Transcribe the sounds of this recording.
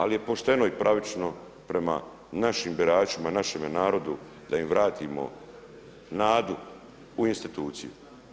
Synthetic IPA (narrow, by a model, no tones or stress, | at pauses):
alije̞po̞ʃt̪e̞no̞ipɾʔaʋit͡ʃno̞ | pɾe̞ma̰ | naʃiːmbiɾaːt͡ʃimanaʃemenaːɾo̞d̪u | d̪aimʋɾaːt̪ʰiːmo̞̰ | naːd̪u | uinst̪it̪uːt̪sijṵ